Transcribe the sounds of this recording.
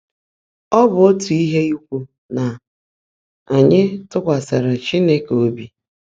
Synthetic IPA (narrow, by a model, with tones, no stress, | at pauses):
ɔ˦bʊ˨o˦tu˨i˦ɦe˦u˦kʷu˦ | na˨ | a˨ɲɪ˦tʊ˦kʷa˨sa˨ɾe˨t͡ʃi˦ne˦ko˦bi˨